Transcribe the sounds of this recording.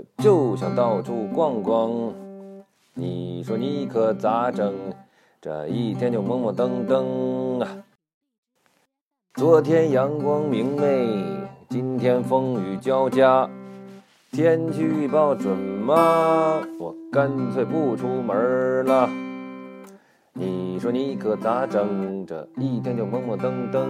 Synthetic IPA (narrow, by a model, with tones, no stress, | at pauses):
t͡ɕjo˥˩ʊɕjɑ˨˩ŋt̪ɑ˥˩ʊʈ͡ʂʰu˥˧kwɑ˥˩ŋkwɑ˥ŋ | ni˨˩ʂwɔ˥ni˧˥˩kʰɤ˧˩t͡sa˧˥ʈ͡ʂɤ˧˩ŋ | ʈ͡ʂə̰˨˩i˥˩t̪ʰjɛ˥nt͡ɕjo˥˩ʊmɤ˥ŋmɔ˨˩t̪ɤ˥ŋt̪ɤ˥ŋa˨ | t͡swɔ˧˥t̪ʰjɛ˥njɑ˧˥ŋkwɑ˥ŋmi˧˥ŋne˥˩ɪt͡ɕi˥nt̪ʰjɛ˥nfɤ˥ŋy˧˥t͡ɕjɑ˥ʊt͡ɕja˥ | t̪ʰjɛ˥nt͡ɕʰy˥y˥˧pɑ˥˩ʊʈ͡ʂwə˨˩nmɐ˦ | wɔ˨˩kə˥nt͡sʰwe˥˧˩ɪpu˥˩ʈ͡ʂʰu˥mə˞˧˥lə˧ | ni˨˩ʂwɔ˥ni˧˥i˥˩kʰɤ˧˩t͡sa˧˥ʈ͡ʂɤ˧˥ŋʈ͡ʂə̰˩i˥˩t̪ʰjɛ˥nt͡ɕjʊmə˥ŋmɔ˧˥˩t̪ɤ˥ŋt̪ɤ˥ŋ